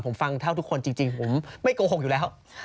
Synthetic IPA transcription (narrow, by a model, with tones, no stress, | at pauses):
pʰo˩˦mfa˧ŋt̪ʰa˥˩wt̪ʰu˦˥kʰːo˧nt͡ɕi˧ŋt͡ɕi˧ŋpʰo˩˦mma˥˩jkoː˧o˨˩k̚juː˨˩lɛː˦˥w